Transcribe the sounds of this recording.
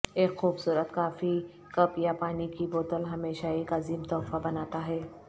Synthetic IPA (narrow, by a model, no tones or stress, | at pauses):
eːkxuːbsuːɾət̪kaːfi | kɐpjapaːnikiboːt̪əlɦɐmeːʃaeːkɐziːmt̪ɔːfabɐnaːt̪aɦɛː